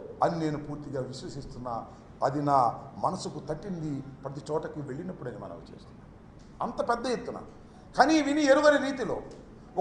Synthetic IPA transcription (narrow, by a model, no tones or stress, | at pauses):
ɐnineːnupuːɾt̪iɡaːʋiʃʋɐsist̪unːaː | ɐd̪inaːmɐnɐsukut̪ɐʈːind̪ipɾɐt̪̬it͡ʃɔːʈɐkiʋe̞ɭːinɐpːuɽɐnimɐ̰nɐ̰mt͡ʃeːst̪unːaːmm | ɐnt̪ɐpɛd̪ːɐjet̪ːuna̰ː | kaːniʋinieɾuʋɐniɾiːt̪ilo̞ː | ɔ